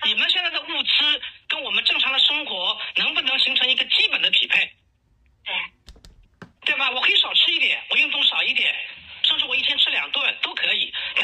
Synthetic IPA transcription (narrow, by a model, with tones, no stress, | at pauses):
ni˨˩mə˧˦nɕ̬jɛ˥˧nt͡sa˥˩ɪd̪ə˧u˥˩t͡sɹ̩˥kə˥nwɔ˨˩mə˦nʈ͡ʂɤ˥˩ŋʈ͡ʂʰɑ˧˥ŋd̪ə˨ʂɤ˥ŋxwɔ˧˥nɤ˧˥ŋpu˥˩nɤ˧˥ŋɕi˧˥ŋʈ͡ʂʰɤ˧˥ŋi˧˥ɡə˧t͡ɕi˥pə˨˩nd̪ə˦pʰḭ˨˩pʰa˥˩ɪ | t̪ | t̪we˥˩ba˨˩wɔ˨˩kʰxwe˥˩˥ʂɑ˨˩ʊʈ͡ʂʰɻ̩˥i˥˩t̪jɛ˨˩˦nwɔ˨˩jy˥˧ŋt̪ʊ˥˩ŋʂɑ˨˩ʊi˥˩t̪jɛ̰˨˩˦nʂɤ˥˧ʂɻ̩˥˩wɔ˨˩i˥˩t̪ʰɛ˥nʈ͡ʂʰɻ̩˥ljɑ̰˨˩ŋt̪wa˥˩nt̪o˥ʊkʰɤ˧˥i˨˩˦n˥